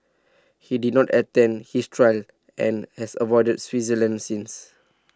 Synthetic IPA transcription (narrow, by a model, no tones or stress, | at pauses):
hididnɔtətɛ̃nhistʰɹaɪl | ʔɛ̰̃nhɛsəvɔɪdəd̚swizələ̃nsĩns